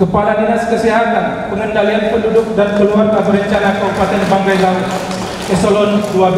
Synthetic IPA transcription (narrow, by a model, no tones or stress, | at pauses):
kəpalaninaskəsiɦat̪an | pəŋəndalianpəndudʊk̚dankəluartabəɾəɲt͡ʃanakaɦupat̪ɛnbaŋkajlaʊt̪̚ | ɛsolɔnduab